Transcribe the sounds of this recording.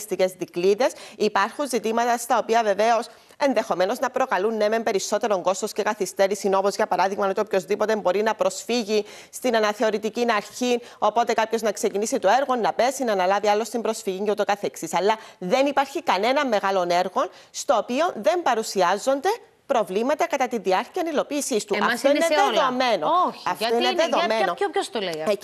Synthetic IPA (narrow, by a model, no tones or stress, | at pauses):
st̪ice̞zðikliðe̞sipɐɾxunzit̪imɐt̪ɐst̪ɐo̞piɐve̞ve̞o̞s | e̞nðe̞xo̞me̞no̞znɐpɾo̞kɐlunːemempe̞ɾiso̞t̪e̞ɾo̞ŋɡo̞st̪osce̞kɐθist̪e̞ɾisino̞po̞zʝɐpɐɾɐðiɣmɐnot̪opço̞zðipo̞t̪embo̞ɾinɐpɾo̞sfiʝi | st̪inɐnɐθe̞o̞ɾit̪icinɐɾçino̞po̞t̪e̞kɐpço̞znɐkse̞cinisit̪o̞e̞ɾɣo̞nːɐpe̞sinɐnɐlɐviɐlːo̞st̪imbɾo̞sfiʝiɲɟeut̪o̞kɐθeksisɐlːɐðe̞nipɐɾçikɐne̞nɐmːe̞ɣɐlo̞ne̞ɾɣo̞n | st̪o̞ːpio̞nðe̞mbɐɾusiɐzo̞nd̪e̞ | pɾo̞vlimɐt̪ɐkɐt̪ɐt̪inðiɐɾciɐnilo̞piːsist̪uɐt̪oineeðome̞noçɐfoineððomenoopost̪ole